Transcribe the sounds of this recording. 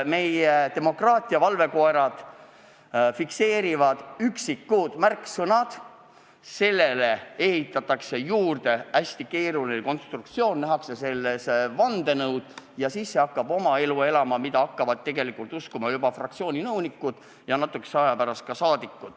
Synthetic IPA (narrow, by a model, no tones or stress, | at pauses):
me̞jet̪e̞mo̞krɑːt̪ʲˑiɑvɑlve̞ko̞eɾɑd̪̥ | fikse̞ːɾivɑd̪̥yksikːud̪̥mærksɤnɑd̪̥ | se̞lːe̞le̞e̞ɦit̪ːˑɑt̪ːˑɑkse̞juːrd̪e̞æsʲt̪ike̞ːɾulineko̞nst̪rukt̪sio̞ːnnæɦɑkse̞se̞lːesevɑnd̪e̞nɤwd̪̥jɑsisːe̞ɑkːɑbo̞mɑe̞lue̞lɑmɑmid̪ɑɑkːɑvɑd̪̥̚t̪ːe̞ɡe̞likult̪uskumɑjubɑfrɑkt̪sio̞ːnʲinɤwnʲikːˑud̪̥ | jɑnɑt̪ːˑukːˑeseɑjɑpæɾɑst̪̚kɑsɑːd̪̥ikːud̪̥